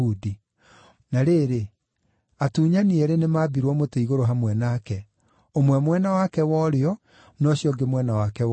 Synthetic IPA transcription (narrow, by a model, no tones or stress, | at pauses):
udi | naɾeːɾe | atuːɲaniɛɾenemaːbiɾwɔmoteiɣoɾoɦamwɛnaːkɛ | omwɛmwɛnawakɛwɔɾeɔ | nɔɕjɔɡemwɛnawakɛ